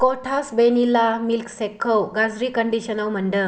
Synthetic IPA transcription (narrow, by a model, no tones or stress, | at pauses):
kɔʈʰasbenilamilksekʰːəwɡad͡zɾiːkəɳɖiɕənawm̤əɳɖə